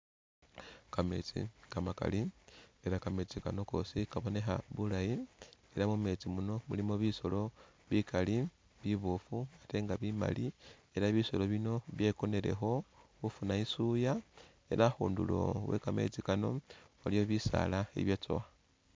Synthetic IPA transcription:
kame̞̰t͡sḭkamaka̰lie̞ɾakame̞t͡sikano̞ko̞̰ːsikaβo̞ne̞xa̰βulajie̞ɾamume̞t͡simuno̞mulimo̞βiso̞lo̞ | βikali | βiβofuate̞ːŋɡaβima̰lie̞ɾaβiso̞lo̞βino̞βje̞ko̞ne̞ɾe̞̰xo̞ | ufunaisuja | e̞̰ɾaxṵːndṵlo̞̰we̞̰kame̞̰t͡sikano̞̰alijo̞βisa̰laḛβjat͡so̰xa

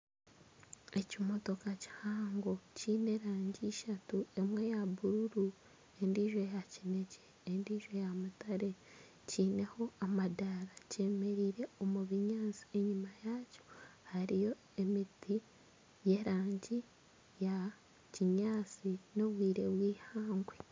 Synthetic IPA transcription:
e̞cimo̞to̞kaci̥haːŋɡo̞ciːne̞ɾaːɲɟiʃatue̞mwe̞jaβuɾuɾu | e̞ndiːʒo̞jacine̞ceːndiːʒo̞jamutaɾe̞ | ciːne̞ho̞amadaɾace̞me̞ɾiːɾe̞o̞muβiɲaːt͡si̥e̞ɲimajaːco̥haɾijo̞ | e̞miti | je̞ɾaːɲɟi | ja | ciɲaːt͡sino̞βwiːɾe̞βwiːhaːŋɡwe

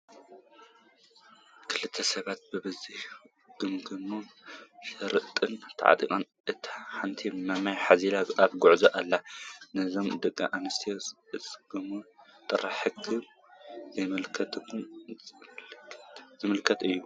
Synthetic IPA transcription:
kʰɨlɨt̪ʰːɐsɐβat̪̚bɨbɨzih | ɡ̥ɨmɡɨnuʃɐɾɨʔt̪ʼɨnt̪ʰa̰ʕa̰t̪ʼḭkʼɐn | ʔɨt̪ʰi̥ħant̪ʰimamajħazilaat̪ɡʊʕzɐʔalːanɨɨzo̞md̪ɨkʼːa̰ʔanɐst̪ʰis | ɨt͡sʼɡ̥ɨmut̪ʼɨɾaħɨkʰɨm | zɐmɨlkʰɐt̪ʰkʰːu | zɨmɨlkʰɐt̪ʼɨjːu

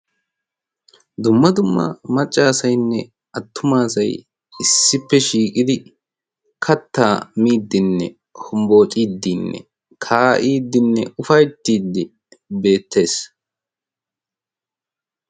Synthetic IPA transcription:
d̪ʊmːɐd̪ʊmːɐ̰mɐt͡ʃʼːaːsɐjnːɛ | ɐt̪ʰːʊmaːsɐj | ɪsːɪpːɛʃiːkʼɪd̪ɪ | kʰɐt̪ːaːmiːd̪ːɪnːɛ̰ | hʊmbo̞ːt͡ʃʼiːd̪ːɪnːɛ̰ | kʰaːʔiːd̪ːɪnːɛʊfɐjt̪ːiːd̪ːɪ | be̞ːt̪ʰːe̞ːs

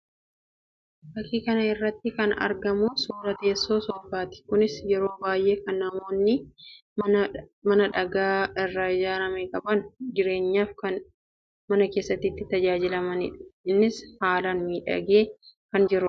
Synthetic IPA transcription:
bɐkːiːkɐnɐɪrːɐt̪ːɪkɐnɐ̰ɾɡɐmʊsuːɾɐt̪e̞ːsːo̞ːsɔfaːt̪ɪ̥kʊnɪsjɛɾo̞ːbaːjʔe̞ːkɐnːɐmo̞ːnːɪ | mɐnɐᶑɐɡaːɪrːɐd͡ʒaːɾɐmekʼɐbɐnd͡ʒɪɾe̞ːɲːaːfkɐn | mɐnɐke̞ːsːɐt̪ːiːt̪ːɪt̪ɐd͡ʒaːd͡ʒɪlɐmɐnɪ̰ᶑɪnːɪshaːlaːnmiːᶑɐ̰ɡeːkɐnd͡ʒɪɾʊ

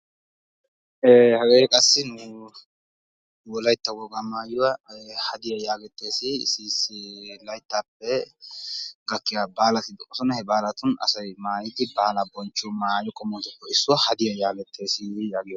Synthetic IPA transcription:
ehɐɡeːɛkʼɐsːɪnʊ | wɔlɐjt̪ːɐwɔɡamaːjɔwɐhɐd̪ɪjɐjaːɡɛt̪ːe̞ːsɪsislɐjt̪ːaːpːɛ | ɡɐkːɪjaːbaːlɐt̪ɪd̪ɔkʼːɔsɔnɐhɛbaːlɐt̪ʊnɐ̰sɐjmaːjɪt̪ɪbaːlɐbɔnt͡ʃːʊmaːjɔkʼːɔmɔːt̪ɔpːɔɪsːʊɐhɐd̪ɪjɐjaːɡɛt̪ʰːe̞ːsɪjaːɡɪjɔ

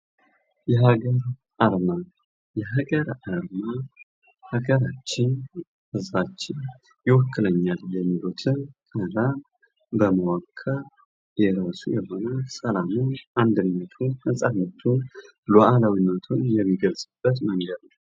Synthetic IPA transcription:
jɛɦaɡəɾ | ʔaɾma | jɛɦaɡəɾaɾma | haɡəɾat͡ʃːɪn | hɨzbat͡ʃːɪn | jɪwɔkʰːɨləɲːaljɛmːilut̪ʰɨnkʼəla | bəməwakʰːa | jɛɾasujɛɦo̞nəsəlamuʔand̪ɨnːət̪ʰunɨnsʼadnət̪ʰun | lɔʔalawinːət̪ʰunjɛmːiɡəlsʼɨb̥ːət̪məŋɡəd̪nəw

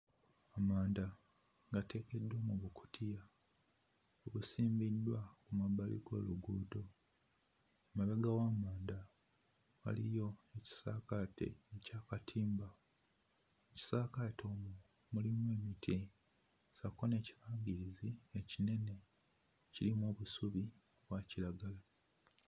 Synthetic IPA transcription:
amaːnda | ɡate̞ke̞dːwoːmuβukʰu̥tʰija | oβusiːmbidwakumabalḭɡo̰ːluɡuːdo̞ | maβaɡawaːmaːnda | a̰lijo̞e̞ci̥saːkatʰḛecaːkatʰiːmba | eci̥saːkato̞ːmu | mulimwe̞ːmitʰi | sakoneːciβaːŋɡiɾiziecine̞ne̞ | cilimwo̞ːβusuβi | βwacilaɡala

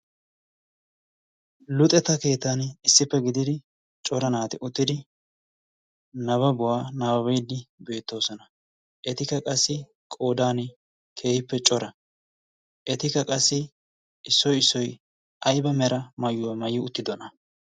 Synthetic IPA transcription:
lʊt̪ʼɛt̪ːɐke̞ːt̪ːanɪsːɪpːɛɡɪd̪ɪd̪ɪ | t͡ʃʼɔɾɐnaːt̪ɪʔʊt̪ːɪd̪ɪ | nɐβɐbʊwaːnabɐbɛjd̪ːɪbe̞ːt̪ːo̞ːsɔnɐ | ʔɛt̪ɪkɐkʼɐsːɪ | kʼo̞ːd̪aːn | kʰe̞ːhɪpːɛt͡ʃʼɔɾɐ | ʔɛt̪ɪkɐkʼɐsːɪ | ɪsːɔjɪsːɔj | ʔɐjbɐmɛɾɐmɐjːʊwɐmɐjːɪʊt̪ːɪd̪ɔnɐ

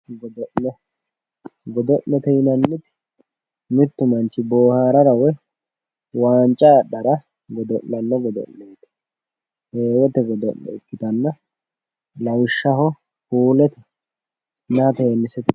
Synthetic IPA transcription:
ɡɔd̪ɔʔnɛ | ɡɔd̪ɔʔnːɛt̪ɛjɪnɐnːɪt̪ɪ̥ | mɪɾt̪ːʊmɐnt͡ʃːɪboːhaːɾɐɾɐwɛ | waːnt͡ʃʼːɐɗɐɾɐ | ɡɔd̪ɔʔnɐnːɔɡɔd̪ɔ̰ʔneːt̪ɪ̥ | heːwɛt̪ɛɡɔd̪ɔ̰ʔːɛ̰ɪkːɪt̪ɐnːɐ | lɐwɪʃːɐɦɔ | kuːlɛt̪ɛ | nɐɐt̪eːnːɪsɛt̪

